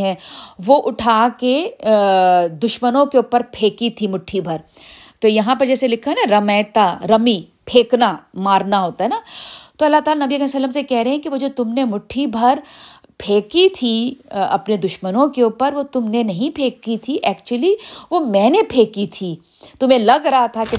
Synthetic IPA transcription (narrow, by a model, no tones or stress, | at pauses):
ɦɛ̃ːʋoʔʊʈʰaːke | d̪ʊʃmənõkeuːpəɾpʰeːkit̪ʰimʊʈʰːibʱɐɾ | t̪ojɐɦãp̬ɐɾd͡ʒɛːselɪkʰːanaɾɐmɛːt̪aɾɐmi | pʰeːknamaːɾnaɦoːt̪aɦɛnat̪oɐlːat̪aːlanɐbiɐkɐɾsəlːəmsekɛɦɾɐɦɛ̃kiʋoːd͡ʒoːt̪ʊmnemʊʈʰibʱɐɾ | pʰeːkit̪ʰiɐ̰pned̪ʊʃmənõkeuːpəɾʋot̪ʊmnenɐɦĩpʰeːkːit̪ʰiʔɛːkt͡ʃuəliʋomɛ̃ːnepʰeːkit̪ʰi | t̪ʊmẽlɐɡɾɐɦat̪ʰake